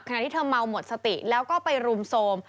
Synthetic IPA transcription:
p̚kʰa˧˨˩t̪ʰiː˥˩tʰɤː˧ma˧wmo˨˩t̪̚sa˧t̪i˨˩ʔlɛː˦˥wkɔː˥˩pa˧jɾu˧msoː˧m

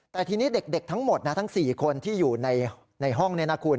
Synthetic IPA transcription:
t̪ɛː˨˩t̪ʰiː˧niː˦˥de˨˩k̚de˨˩k̚t̪ʰa˦˥ŋmo˨˩t̪̚na˦˥t̪ʰa˦˥ŋsiː˨˩kʰo˧nt̪ʰiː˥˩juː˨˩na˧j | na˧jɦɔ˥˩ŋni˦˥˩ɐna˦˥kʰuː˧n

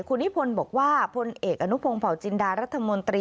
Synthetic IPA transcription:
kʰu˧nːi˦˥pʰo˧nbɔː˨˩k̚waː˥˩pʰo˧nʔeː˨˩k̚ʔa˧nu˦˥pʰo˧ŋpʰa˨˩˦wt͡ɕi˧ndaː˧ɾa˦˥t̪ʰːa˧mo˧nt̪ɾiː˧

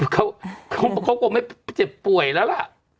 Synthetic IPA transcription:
kʰa˧˥wkʰa˧˦wkʰa˧˥wkɔː˧˩ma˥˩jt͡ɕa˧˩pu˨˩əjla˦˥˩wla˧˩ʔ

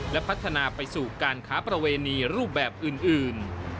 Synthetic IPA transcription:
lɛ˦˥pʰa˦˥t̪ʰːa˧naː˧pa˧jsuː˨˩kaː˧nkʰaː˦˥pɾa˧weː˧niː˧ɾuː˥˩p̚bɛː˨˩p̚ʔɯː˨˩nʔɯː˨˩n

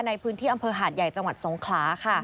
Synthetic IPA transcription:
na˧jpʰɯː˦˥nt̪ʰiː˥˩ʔa˧mpʰɤː˧ɦaː˨˩t̪̚ja˨˩jt͡ɕa˧ŋwa˨˩t̪̚so˩˦ŋkʰlaː˦˥kʰa˥˩

